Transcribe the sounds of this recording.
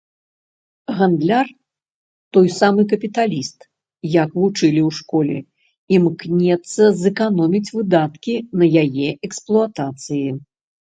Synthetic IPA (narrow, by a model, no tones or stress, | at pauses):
ɣand̪lʲar | t̪ɔjsamɨk̬ɐpʲit̪alʲist̪ | jakvut͡ʂɨlʲiwʂkɔlʲɛ̰ | imknʲɛt̪sːɐzɛkanɔmʲit͡sʲvɨd̪at̪kʲinɐjajɛʔɛksplˠuat̪at̪sɨji